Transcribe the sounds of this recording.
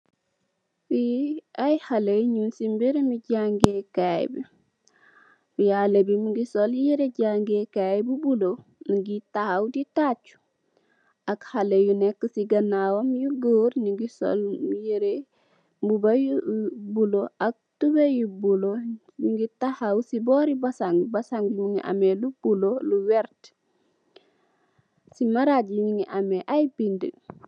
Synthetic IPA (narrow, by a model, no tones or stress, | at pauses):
fiajhaleɲunsimbiɾimiɟaŋɡekaj̰bi | ujalebimiɡisoljiɾeɟaŋɡekajbubuloniɡitahawditat͡ʃu̥ | akhalejunekːəsiɡɐnawomjuɡoːɾniɡiso̰ljeɾe | bubajubuloak̚tubejubulo | iŋɡitahawsibɔːɾibasaŋbasaŋɡuŋiʔa̰melub̥uloluwɛɾt | simaɾaɟɲiŋiʔameʔajbində̰